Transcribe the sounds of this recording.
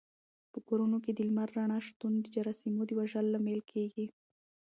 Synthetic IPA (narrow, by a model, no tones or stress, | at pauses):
pəkoɾunok̬ed̪ɪlmaɾːaɳɑʃt̪und̪əd͡ʒaɾɑsimod̪əwaʒalːamelkʰeɡi